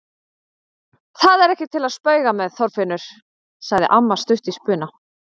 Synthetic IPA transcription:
θaðɛɾɛhcɪt̪ʰɪlaðspœːɥɣamɛðθɔɾfɪnːʏɾ̥ | saɣðɪ̰ʔamːast̪ʏht̪ispʏːna

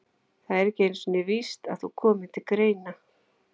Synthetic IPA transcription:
θaðɛɾɛcɪejnsɔnɪvist̪a̰ð̥θukʰɔːmɪ̥t̪ʰɪlkɾeːjna

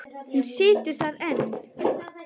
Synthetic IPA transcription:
hunsɪːt̪ʏɾ̥θaðɛnː

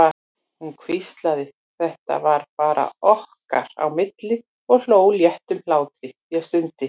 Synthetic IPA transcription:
a | hunkʰvist̪laðɪ | θɛht̪a̰vaɾpaːɾʔa̰ɔhka̰ɾ̥a̰wmɪt̪lɪ | ɔɣl̥oːwljɛht̪ʏmlaːwt̪ɾɪjast̪ʏnt̪ɪ

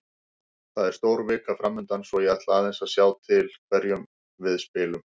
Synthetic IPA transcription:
θaðɛɾ̥st̪oːwɾvɪːkafɾamːʏnt̪ansvɔiat̪laːðɛnsasjaːwt̪ʰɪlkʰvɛɾjʏm | vɪðspɪːlʏm

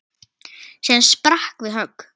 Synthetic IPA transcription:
siðanspɾahkvɪðɦœk

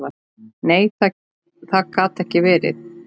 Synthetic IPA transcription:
va | neːjθa | θaðkʰaːt̪ɛhcɪvɛːɾɪ̰θ

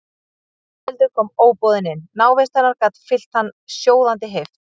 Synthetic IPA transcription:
ɪlt̪ʏɾ̥kʰɔːmoːwpɔðɪnːɪnːaːwvejst̪aɾnaɾkaːt̪fɪl̥t̪hanːsjoːwðant̪̬ɪɦejft̪

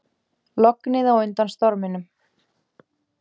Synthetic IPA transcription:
lɔknɪðawʏnt̪anst̪ɔɾmɪnʏm

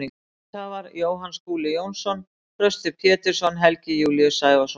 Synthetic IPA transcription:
i | avaɾjoːwɦanskuːlɪjownsɔn | kɾœst̪ɪpʰjɛːt̪ɪɾ̥sɔnɦɛlcɪjuːliʏsaːjvasɔ

